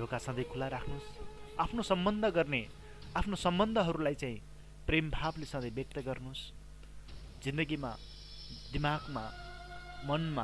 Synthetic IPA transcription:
dʱokasʌ̃d̪ʌjkʰulaɾakʰnusapʰnosʌmbʌnd̪ʱʌɡʌrne | apʰnosʌmbʌnd̪ʱʌɦʌɾulajt͡saĩ | prembʱablesʌ̃d̪ʌjbjʌk̚t̪ʌɡʌrnus | d͡zind̪ʌɡima | d̪imaɡma | mʌnma

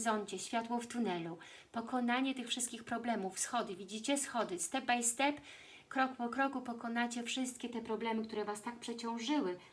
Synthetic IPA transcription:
zɔɲt͡ɕɛɕfʲjat̪wɔft̪unɛlu | pɔkɔnaɲɛt̪ɘxfʂɘst̪̚kʲixpɾɔblɛmufsxɔd̪ɘvʲid͡ʑit͡ɕɛsxɔd̪ɘst̪ɛbajst̪ɛp | kɾɔkpɔkɾɔkupɔkɔnat͡ɕɛfʂɘst̪̚kʲɛt̪ɛpɾɔblɛmɘkt̪uɾɛvast̪ak̚pʂɛt͡ɕɔ̃w̃ʐɘwɘ

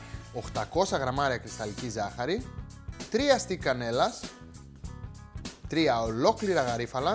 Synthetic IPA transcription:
o̞xt̪ɐko̞sɐɣɾɐmɐɾiɐkɾist̪ɐlicizɐxɐɾit̪ɾiɐst̪ikɐne̞lɐs | t̪ɾiɐolo̞kliɾɐɣɐɾifɐlɐ

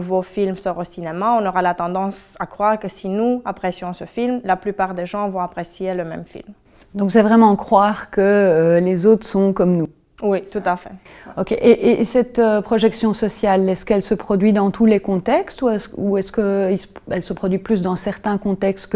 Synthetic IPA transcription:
vofilmsɔʁosinemaɔ̃nɔʁalat̪ɑ̃d̪ɑ̃sakχwaːʁkəsinuapχesjɔ̃səfilmlaplypaːʁd̪eʒɑ̃vɔ̃apχesjeləmɛ̰mfḭlm | d̪ɔ̃ks̬ɛvʁɛmɑ̃kχwaːʁkəːlezot̪χsɔ̃kɔmnu | wit̪ut̪afɛ | ɔkʲeʔeʔeʔsɛt̪øpχɔʒɛksjɔ̃sɔsjalɛskɛlsəpχɔd̪ɥid̪ɑ̃t̪ʰulekɔ̃t̪ɛkst̪uɛuɛskəisɛlsəpχɔd̪ɥiplys̬d̪ɑ̃sɛʁt̪ɛ̃kɔ̃t̪ɛkst̪k

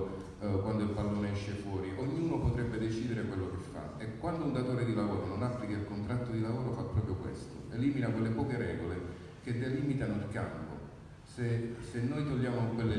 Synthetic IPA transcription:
kwand̪oilpalːoːneɛʃːefwɔːɾiʔoɲːuːnopot̪ɾɛbːed̪et͡ʃiːd̪eɾekwelːokefːa̰ekːwand̪ound̪at̪oːɾed̪ilavoːɾononapːlikailkont̪ɾat̪ːod̪ilavoːɾofapːɾɔːpɾjokwḛst̪oeliminakwelːepɔːkeɾɛːɡole | k̟ed̪ːeliːmit̪anoilka̰mpo̰ | sesenːojt̪olːaːmokwelːe

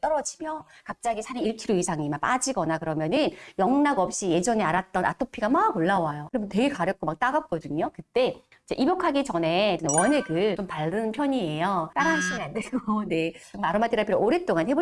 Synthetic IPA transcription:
t͈ʌɾʌd͡ʑimjʌkap̚t͡ɕ͈aɡisʰaɾiiɭkʰiɾoisʰaŋimap͈ad͡ʑiɡʌnakɯɾʌmjʌnɯnjʌŋnaɡʌp̚ɕ͈ije̞d͡ʑʌneaɾat̚t͈ʌnʔa̰tʰopʰiɡamaɡoɭːawajokɯɾemjʌnte̞ɡe̞kaɾjʌk͈omak̚t͈aɡap̚k͈ʌdɯɲokɯt͈e̞ | id͡ʑe̞ʔibjokʰaɡit͡ɕʌne̞t͡ɕonwʌnɯɭɡɯt͡ɕompaɭːɯnpʰjʌɲie̞jʌt͈aɾanɕʰimɯɾandɯɭɡone̞t͡ɕɯmaɾɯmat͈ʰiɾaɭpʰiɾooɾe̞t͈oŋanhebo

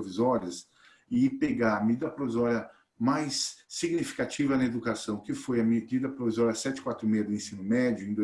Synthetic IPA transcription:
ovizɔɾiɐs | ɪpeɡaɾɐmed͡ʒid̪ɐpɾovizɔɾiɐ | majsːiɡnifi̥kat͡ʃivɐnɐed̪ukasɐ̃w̃kɪfojɐmed͡ʒid̪ɐpɾovizɔɾiɐsɛt͡ʃɪkwat̪ɾʊmejɐd̪ʊẽsĩnʊmɛd͡ʒʊẽj̃d̪o

